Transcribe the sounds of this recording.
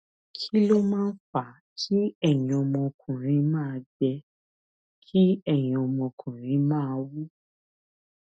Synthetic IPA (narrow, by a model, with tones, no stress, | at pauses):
kʰi˦lo˦mãː˦n̩˦fa˨ | kʰi˦ɛ˦˨jĩ˨ɔ˧mɔ̃˧kʰũ˨ɾ̃ĩ˨˧˦mãː˦˧d͡ʒɛ˧ | kʰi˦ɛ˦˨jĩ˨ɔ˧mɔ̃˧kʰũ˨ɾ̃ĩ˨˦mãː˦˧wu˦